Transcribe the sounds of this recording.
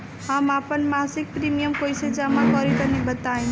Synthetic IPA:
ɦamapənmasik̚pɾimijəmkojsed͡ʒamakɔɾik̪ənebət̪aĩn

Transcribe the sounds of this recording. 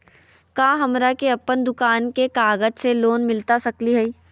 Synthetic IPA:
kãːɦɐmɾakeɐpːənd̪ʊkaːnkekaːɡəd͡ʒseloːnmɪlt̪asɐkliɦɛi

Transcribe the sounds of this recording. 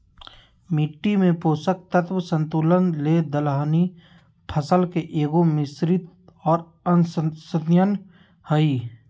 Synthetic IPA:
miʈːimẽpoːsək̚t̪ət̪ʰwəsə̃nt̪uːlənled̪əlaːni | pʰəsəlkeʔeːɡomɪsɾɪt̪ | ɔːɾ | ənssəd̪jən | həi

